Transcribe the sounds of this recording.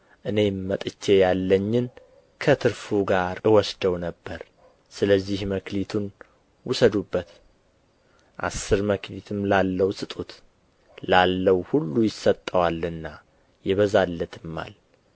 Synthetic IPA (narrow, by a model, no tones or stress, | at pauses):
ʔɨne̞mət̪ʼɨt͡ʃːe̞jalːəɲːɪn | kʰət̪ʰɨɾfuɡaɾɨwɔsd̪əwnəbːəɾ | sɨləzːihməklit̪ʰun | wʊsəd̪ubːət̪ | ʔa̰sːɨɾməklit̪ʰɨmlalːəwsʼɨt̪ʼut̪ | lalːəwhulːujɪsːət̪ʼːəwalɨnːa | jɛβəzalːət̪ʰɨmːa̰l